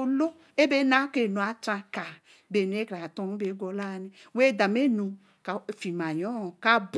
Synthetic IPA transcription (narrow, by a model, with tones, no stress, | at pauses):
o˦lo˦ | e˦be˦na˦ke˨nũ˨a˨t͡ʃã˧ka˨ | be˨n˨˦e˦kɾa˨tɔ̃˦n˦be˨˦ɡɔ˨la˦˨ni˨we˦˨da˨me˦nũ˨ | ka˨fi˨mã˨jɔ˦˨ka˦b